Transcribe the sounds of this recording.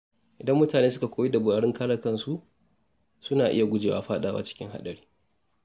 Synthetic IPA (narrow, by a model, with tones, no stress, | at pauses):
ʔɪ˨dɐ˦mːʊ˦taː˨neː˦sʊ˦ka˨kʷoː˦jiː˦da˨bʊ˨aː˨ɽɪ˦ŋkaː˦lɐ˨kɐ˦nsu˦ | sʊ˦naː˨ʔɪ̰˦ja˨ɡʷʊ˦d͡ʒeː˨wa̰ː˦ɸaː˦ɗaː˨wa̰ː˦t͡ʃɪ̥˦kʲɪ̰˦ŋɦa̰˦ɗɐ˨ɽiː˦